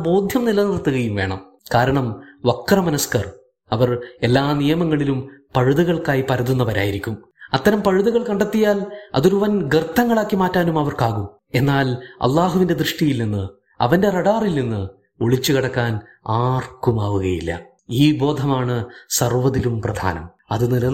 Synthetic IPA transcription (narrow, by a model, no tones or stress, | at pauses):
bo̞ːd̪ʱjɐmnilɐnirt̪ːuɣɐjumʋe̞ːɳɐ̰m | kaːɾɐɳɐmʋɐkːrɐmɐnɐskɐr | ɐʋɐre̞lːaːnijɐmɐŋːɐɭilumpɐɻuðuɣɐɭkaːjipɐɾɐðunːɐpɐɾaːjiɾikʲːum | ɐt̪ːɐɾɐmpɐɻuðuɣɐɭkɐɳɖɐt̪ːijaːlɐ̰ðoɾuʋɐnɡrt̪ʰːɐŋːɐɭaːkːimaːtːaːnumɐʋɐrkaːɣum | e̞nːaːlɐ̰lˠːaːɦuʋinde̞d̪rɨʂʈijilninːɨ | ɐ̰ʋɐnde̞rɐɽaːrilninːɨ | oɭit͡ɕːukɐɽɐkːaːn | aːrkumaːʋuɣɐjilːɐ̰ | iːbo̞ːd̪ʱɐmaːɳɨsɐrʋɐðilumprɐd̪ʱa̰ːnɐ̰m | ɐðɨnilɐ